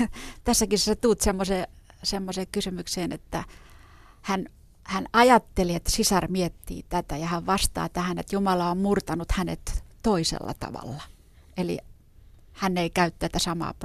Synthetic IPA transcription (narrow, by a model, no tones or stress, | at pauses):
t̪æsːækisset̪uːt̪semːose | semːoseːkkysymykseːnḛt̪ːæ | hæn | hænɑjɑt̪ːeliet̪sisɑrmiet̪ːḭːt̪æt̪æjɑhæʋʋɑst̪ɑ̰ːt̪æhænḛt̪jumɑlɑommurt̪ɑnut̪hænḛt̪t̪oisḛlːɑ̰t̪ɑ̰ʋɑ̰lːɑ | elḭ | hænːeikæyt̪t̪æt̪æsɑmɑ̰ːp